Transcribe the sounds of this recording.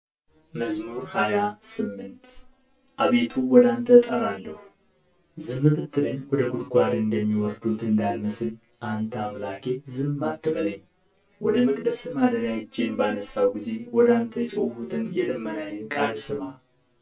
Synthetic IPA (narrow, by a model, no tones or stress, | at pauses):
məzmuɾhajasɨmːɨnt̪ | ʔaβe̞t̪ʰuwɔd̪ant̪ʰət̪ʼəɾalːəhu | zɨmːɨβɨt̪ʰːɨləɲːwɔd̪əɡud̪ɡʷaɾɨnd̪əmːiwɔɾd̪ut̪ʰɨnd̪alməsɨn | ʔant̪ʰamlakʰezɨmːat̪ʰːɨbələɲː | wɔd̪əməkʼd̪əsɨmad̪əɾjad͡ʒːenbanəsːawɡize̞wɔd̪ant̪ʰəjɛt͡ʃʼohut̪ʰɨnjɛlɨmːənajɪnkʼalsɨma